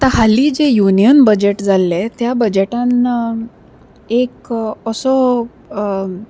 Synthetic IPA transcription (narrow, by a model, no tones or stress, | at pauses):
at̪aɦalid͡ʑejunijənbəd͡ʑeʈd͡zalːet̪jabəd͡ʑeʈan | ekəsɔ